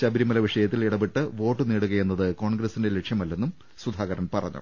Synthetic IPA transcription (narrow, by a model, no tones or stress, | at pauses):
t͡ɕɐbiɾimɐlɐʋiʂɐjɐt̪ːiliɽɐbeʈːɨʋo̞ːʈːɨneːɽuɣɐje̞nːɐðɨko̞ːɳɡɾɐsinde̞lekʂjɐmɐlːe̞nːum | sud̪ʱaːɣɐɾɐnpɐrɐ̰ɲːṵ